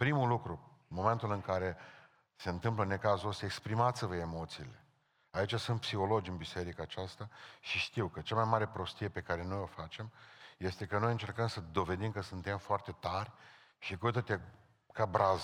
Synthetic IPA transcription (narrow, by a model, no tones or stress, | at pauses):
pɾimulukɾumo̞me̞nt̪ulɨŋkaɾe̞ | se̞ɨnt̪ɨmpləne̞kazuost̪aekspɾimat̪sʲvəe̞mo̞t̪siːle̞ | ait͡ʃasunt̪̚psixo̞lo̞d͡ʒɨnbise̞ɾikaːt͡ʃast̪aʃiʃt̪iwkət͡ʃamajmaɾe̞pɾo̞st̪ije̞pe̞kaɾe̞no̞jo̞fat͡ʃe̞mje̞st̪e̞kəno̞jɨnt͡ʃe̞rkəmsəd̪o̞ve̞d̪imkəsunt̪e̞mfoart̪e̞t̪arʲ | ʃikut̪ət̪e | kabɾʔaz